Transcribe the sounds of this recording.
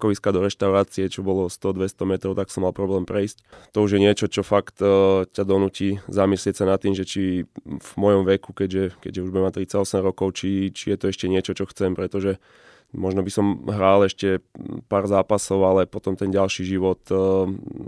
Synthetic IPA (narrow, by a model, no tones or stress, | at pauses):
kɔʋiskad̪ɔɾɛʃt̪aʊɾaːt͡siɛt͡ʃɔbɔlɔst̪ɔd̪ʋɛst̪ɔmɛt̪ɾɔʊt̪aksɔmːalˠpɾɔblɛːmpɾɛjsct̪ɔuʒjɛɲɪɛt͡ʃɔt͡ʃɔfakt̪cad̪ɔnuːcizamislɪɛcsanat̪ːiːmʒɛt͡ʃivmɔjɔmʋɛkukɛɟʒɛkɛ̰ɟʒɛuʒbuɟɛmat̪ɾit͡saɟɔsɛmɾɔkɔʊt͡ʃit͡ʃijɛt̪ɔɛʃcɛɲɪɛt͡ʃɔt͡ʃɔxt͡sɛmpɾɛt̪ɔʒɛ | mɔʒnɔbisɔmɦɾaːlɛʃcɛpaːɾzaːpasɔʊalɛpɔt̪ɔmt̪ɛnɟalʃiʒiʋɔt̪